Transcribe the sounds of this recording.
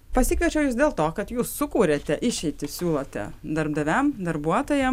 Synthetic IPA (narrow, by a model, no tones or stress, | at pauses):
pɐsʲɪkɐt͡ʃʲɛʊjuːsd̪ʲeːlˠt̪oːkɐt̪juːsːʊkuːɾʲeːt̪ʲɛʔɪʃʲɛɪt̪ʲɪsʲuːlˠot̪ʲɛ̰d̪ɐɾbd̪ɐʋʲɛmd̪ɐɾbuɔt̪oːjɛm